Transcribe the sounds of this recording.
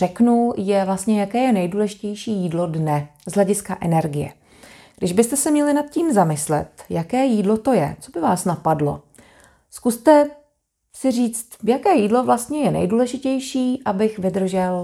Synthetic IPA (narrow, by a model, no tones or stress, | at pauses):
rɛknujɛvlast̪ɲɛjakɛːjɛnɛjduːlɛʒɪcɛjʃiːjiːdlo̞dnɛzɦlɛɟɪskaʔɛnɛɾɡɪjɛ̰ | ɡdɪʒbɪst̪ɛsɛmɲɛlɪnat̪̚ciːmzamɪslɛ̰t̪jakɛːjiːdlo̞t̪o̞jɛ̰t͡so̞bɪvaːsnapadlo̞̰ | skust̪ɛ | sɪriːt͡st̪jakɛːjiːdlo̞vlast̪ɲɛjɛnɛ̰jduːlɛʒɪcɛjʃiːʔabɪxvɪd̪r̩ʒɛl